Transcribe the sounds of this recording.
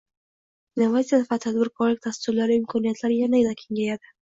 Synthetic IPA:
navasʲijafvat̪ʰad̪bɪɾkʰɒɾlɪkʲd̪ast̪ʊɾlaɾɪɪmkʰɒnijat̪ʰlaɾɪjanajd̪akʲʰe̞ŋɡʲajad̪ɪ

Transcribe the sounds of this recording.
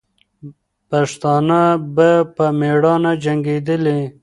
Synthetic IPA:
paʂt̪ɑːnabapəmeɽɑnad͡ʒaŋɡed̪əle

